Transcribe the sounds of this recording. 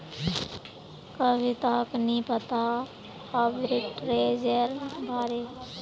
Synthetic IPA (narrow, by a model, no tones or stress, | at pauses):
kəbit̪aːknĩːpət̪a | abɾɪʈɾeːd͡ʒəɾbʱaːɾeː